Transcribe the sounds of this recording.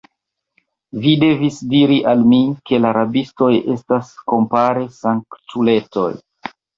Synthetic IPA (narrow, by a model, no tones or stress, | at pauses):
vide̞visdiɾiʔalmike̞laɾabisto̞je̞stasko̞mpaɾe̞saŋkt͡ʃule̞to̞̰j